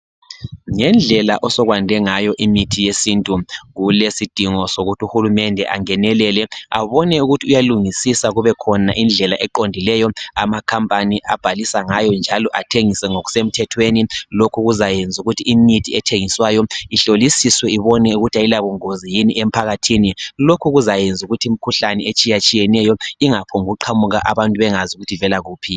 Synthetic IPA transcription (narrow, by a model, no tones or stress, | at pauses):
ŋɛnd͡ɮʱɛla̰ʔɔsɔɣwandʱɛŋajɔʔimitʰijesintʼuɣulesid̥ʱiŋɔsoɣutʰiuxulumɛndʱɛ̰ʔa̰ŋɛnɛlɛlɛaβɔnɛuɣutʰiujaluŋisisaɣuβɛkʰɔnaʔind͡ɮʱɛlaʔɛǃondʱilɛjɔamakʰampʼaniʔab̥ʱalisaŋajɔnd͡ʒʱalɔʔatʰeŋisɛŋoɣu̥sem̩tʰɛtʰwenilokʰuɣuzajend͡zʱuɣutʰiːmitʰiɛtʰeŋiswajɔiɬolisiswɛiβɔnɛuɣutʰailaβuŋozijiniʔem̩pʰaɣatʰinilokʰuɣuzajend͡zʱuɣutʰiim̩kʰuɬanɛet͡ʃʼijat͡ʃʼijɛnɛjɔiŋapʰɔŋɣuǃʰamuɣaʔa̰βantʼuβɛŋazuɣutʰivɛlaɣuːpʰi